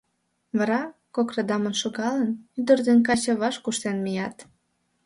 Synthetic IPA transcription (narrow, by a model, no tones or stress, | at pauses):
βɑɾɑkokrɑd̪ɑmənʃoɣɑlənyd̪ərd̪enk̬ɑt͡ɕɤβɑʃkuʃt̪enmijɑt̪